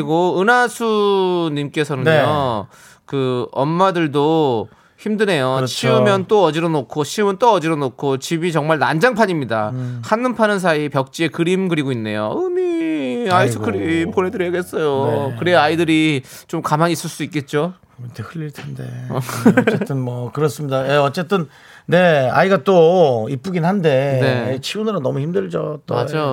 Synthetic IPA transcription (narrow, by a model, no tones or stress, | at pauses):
iɡoɯnasʰuɲimk͈e̞sʰʌnɯno | kɯʌmːadɯɭdo | çimdɯne̞jot͡ɕʰiɯmjʌnt͈oʌd͡ʑiɾonokʰoɕʰiɯmɯnt͈oʌd͡ʑiɾonokʰot͡ɕibit͡ɕʌŋmaɭnand͡ʑaŋpʰaɲimɲidahʰanːɯmpʰanɯns̬ʰaipjʌk̚t͡ɕ͈ie̞kɯɾimɡɯɾiɡoinːe̞̰jo̰ɯmiaisʰɯkʰɯɾimponɦe̞dɯɾjʌɡe̞ts͈ʌjokɯɾe̞aidɯɾi | t͡ɕomkamaɲis͈ɯɭs͈uik͈e̞t̚t͡ɕ͈o | tehɯʎːiɭtʰende̞̰ | et͈ɯnmʌkɯɾʌs͈ɯmɲidajeʌt͡ɕ͈e̞t͈ɯn | ne̞a̰iɡat͈oip͈uɡinhande̞ne̞t͡ɕʰiunɯɾonːʌmuçimdɯɭd͡ʑot͈oma̰d͡ʑa